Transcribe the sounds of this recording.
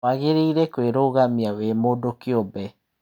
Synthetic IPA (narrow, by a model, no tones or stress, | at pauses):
aɣeɾeiɾɛkweɾoɣamiawemodokeobɛ